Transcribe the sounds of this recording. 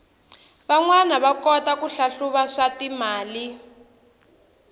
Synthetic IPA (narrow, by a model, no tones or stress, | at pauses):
βaŋwanaβakɔtakuɬaɬuβaʂatimaːli